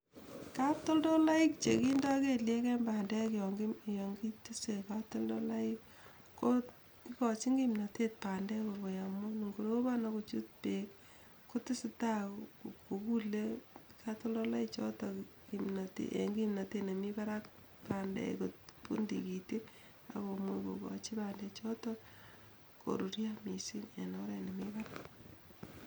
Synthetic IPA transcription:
ka˦p̚tɔ˦ldo˦la˦ɪ˦k̚t͡ʃe˨ki˦ndɔ˦ke˨lje˦kɛ˦mba˨ndɛ˦kjɔŋɡijɔŋɡi˦tɪ˦se˨ka˦p̚tɔ˦ldo˦la˦ɪ˦k | kːo | ki˦kɔ˨t͡ʃi˦ŋɡimna˨te˦t̚pa˨ndɛ˦ko˨bo˨ja˨mo˦ni˨ŋɡuɾo˦ba˦na˦ko˨t͡ʃu˦t̚pek | ko˦tɪ˦sɪ˨ta˦ko˨ku˦lekato˦lɔ˦la˦it͡ʃɔ˦tɔkimna˨tḛʔḛŋɡimna˨tene˨mi˦ba˦ɾa˦k | pandɛ̰kotpṵ˦ndi˨ki˨te˦ | a̰˨ko˨mo˦iko̰˨kɔ̰t͡ʃi˦pandɛt͡ʃɔ˦tɔ | ko̰˨ɾu˨ɾjami˨si˦ne˨nɔɾɛ˨ne˨miba˦ɾak

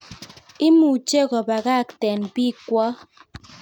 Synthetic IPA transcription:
i˦mu˨t͡ʃe˦˨ɣɔ˨ba˨ɣa˦˨tɛ˨nbi˦˨kwɔ˦

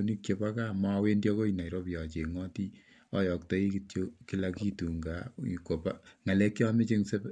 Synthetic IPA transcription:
oni˦k̚t͡ʃe˨pa˦ka˦ma˦we˦ndjɔ˦ko˦ina˨iɾo˦pja˨t͡ʃe˨ŋɔ˦ti˦ | ɔ˦jɔ˨ktɔ˦i˦kitoki˦la˦ki˦tu˨ŋɡa˨i˨ko˨paŋa˨lɛ˦kːi˦a˦mɪ˦t͡ʃe˦ŋse˦p

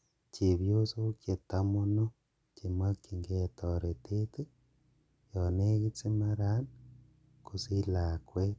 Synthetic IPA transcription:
ce˨βjo˦so˦kje˨tamono˦ | ki˨mwa˦ki˨ŋɡe˦toɾetʰete˦ | jone˦ɣe˦t͡se˦ma˦ɾan | ku˨si˦lakwe

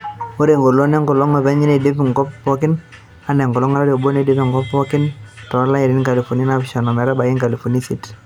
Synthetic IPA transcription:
mo˦ɾe˨ŋɡo˨lo˦nɛ˦ŋɡɔ˨lɔ˦ŋɔ˨bɛ˦ɲi˦ne˨de˦pi˨ŋɡɔ˦ppɔ˦kɪ˦n | a˦nɛ˨ŋɡɔ˨lɔ˦ŋa˦ɾa˦ɾo˨bo˦ne˨de˦pi˨ŋ˨ɡɔ˦pːɔ˦kɪ˦ntɔ˨˦la˦ji˨ɾɪ˦nka˨li˨fo˨ni˦na˦fʃɔ˨nɔ˨mɛ˨ɾɛ˦ba˨ɡi˦ŋka˨li˨fo˨ni˦si˦t

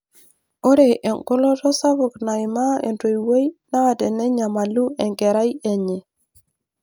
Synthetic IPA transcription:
o˦ɾe˨ʔɛ˨ŋkʊ˦lɔ˦tɔ˦sa˦βʊ˨kna˨ɪ˨ma˦ḛ˨nto˨i˨we˦jna˦a˨tɛ˨nɛ˦ɲa˨ma˨lu˦ɛ˨ŋkɛ˨ɾa˦i˦e˦˨ɲe˨

